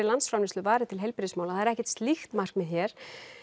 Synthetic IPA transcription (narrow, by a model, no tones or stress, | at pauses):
ɪlant̪sfɾawnɪnst̪lʏvaːɾɪt̪ʰɪlɦejlpɾsmawlaθaðɛɾɛhcɛ̥t̪st̪lixt̪mar̥kmɛðçɛːɾ̥